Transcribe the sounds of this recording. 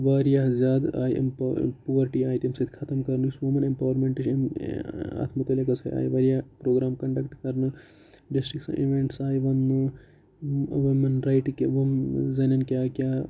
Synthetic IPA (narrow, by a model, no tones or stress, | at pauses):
ʋaːɾijaɦzʲjaːd̪a̰ːiʔmppoːʋɐɾʈiaːjit̪emsɐt̪ʰkʰɐt̪ɐmkɐɾnɨsʋumɐnempɐːʋɐɾmeɳʈiʃm | ɐ̰t̪ʰmɐt̪ɐlekɐsʰɐja̰ːjʋɐːɾjapɾoːɡɾaːmkɐɳɖɐkʈkɐɾnɨ | ɖisʈɾiksɐ̰̃ʔḭʋeɳʈsaːjʋɐnːɨ | ʋimɐnɾajʈkeʋumzɐnɐnkjaːkjaː